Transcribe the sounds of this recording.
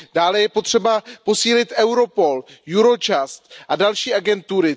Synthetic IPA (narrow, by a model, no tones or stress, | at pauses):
d̥aːlɛjɛpot̪r̝̥ɛbapo̞siːlɪt̪ʔɛwɾo̞po̞ljuɾo̞t͡ʃast̪ʔadalʃiːʔaɡɛnt̪uɾɪ